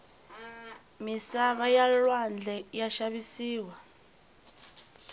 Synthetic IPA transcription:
misaβajalwand͡ɮʱɛjaʃaβisiːwa

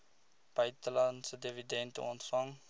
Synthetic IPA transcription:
b̥ɐjtəlɐnsədividɛntə̰ɔntfɐŋ

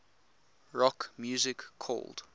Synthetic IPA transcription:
ɹɔkmjuːzɪkʰːɔ̰ld̥

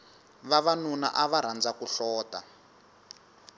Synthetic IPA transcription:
βaβanuna̰ʔaβaɾ̤and͡zakuɬɔːta

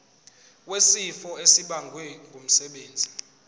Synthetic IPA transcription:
wesifɔesiɓaŋɡʱwɛŋɡʱom̩sɛɓeːnd͡zʱi

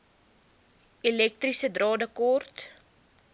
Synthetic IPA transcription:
ilɛk̚t̪risədrɑːdəkɔrt

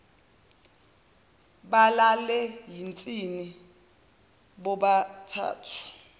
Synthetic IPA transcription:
ɓalalɛɦint͡sʼini | ɓɔɓatʰa̰ːtʰu̥

